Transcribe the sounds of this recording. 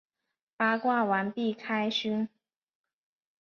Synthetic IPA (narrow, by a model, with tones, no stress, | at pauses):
pa˥kwa˥˩wa˧˥npi˥˩kʰa˥ɪɕy˥n